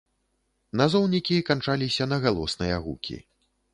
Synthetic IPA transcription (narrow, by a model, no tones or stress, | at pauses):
nazɔwnʲikʲikant͡ʂalʲisʲɐnɐɣalˠɔsnɨjɐ̰ɣṵkʲḭ